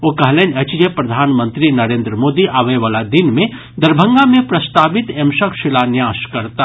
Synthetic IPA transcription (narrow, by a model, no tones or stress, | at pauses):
oːkɐɦlenɐt͡ʃd͡ʒepɾɐd̪ʱaːnmə̃nt̪ɾinɐɾẽːnd̪ɾəmoːd̪iʔaːʋeʋaːlad̪ɪnmẽ | d̪ɐɾbʱə̃ŋɡamẽpɾɐst̪aːbɪt̪emʃəkʰʃɪlaːnjaːʃkɐɾt̪a